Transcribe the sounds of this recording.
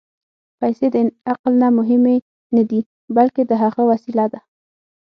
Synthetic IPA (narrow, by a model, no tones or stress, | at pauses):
pajsed̪əaqlnamʊɦɪme | nad̪i | balked̪əɦaɣəwasilad̪a